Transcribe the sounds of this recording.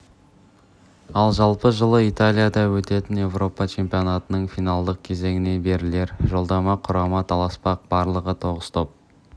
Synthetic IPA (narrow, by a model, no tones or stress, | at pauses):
ɑlˠʒɑlˠpəʒəlˠəijt̪alʲijad̪ɑwɵt̪e̞t̪ɪnje̞vro̞pɑt͡ʃʰe̞mpionat̪ənəɴfijnalˠd̪əq̚kʲʰe̞ze̞ŋɪne̞be̞ɾɪle̞ɾʒo̞lˠd̪ɑmɑqʰʊɾɑmɑt̪ʰɑlˠɑspɑq̚b̥ɑɾlˠəʁət̪ʰo̞ʁəst̪ʰo̞p̚